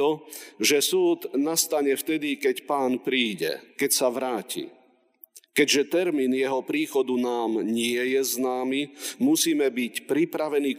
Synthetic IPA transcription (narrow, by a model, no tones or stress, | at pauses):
ɔʒɛsuːd̪nast̪aɲɛft̪ɛd̪ikɛcpaːnpɾiːɟɛ̰kɛcsaʋɾaːcḭ | kɛɟʒɛt̪ɛɾmiːnjɛɦɔpɾiːxɔd̪unaːmɲɪɛjɛznaːmimusiːmɛbicpɾipɾaʋɛnik